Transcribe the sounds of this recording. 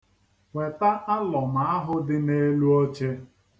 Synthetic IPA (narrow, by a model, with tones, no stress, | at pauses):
wʷe˨ta˦ʔa˦lɔ˨ma˨a˦ɦʊ˦dɪ˦ne˦lu˦o˦t͡ʃe˦